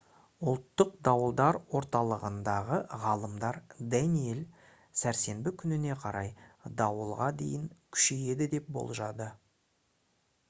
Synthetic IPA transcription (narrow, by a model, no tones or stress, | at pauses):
ʊlˠt̪ːəq̚d̪ɑwəlˠd̪ɑɾwo̞ɾt̪ɑlˠəʁənd̪ɑʁəʁɑlˠəmd̪ɑɾd̪ænije̞l | sæɾse̞mbɪkʲʰʏnɪne̞qʰɑɾɑjd̪ɑwəlˠʁɑd̪e̞̰jɪŋkʲʰʏ̥ʃeje̞d̪ɪd̪e̞p̚bo̞̰lˠʒɑd̪ə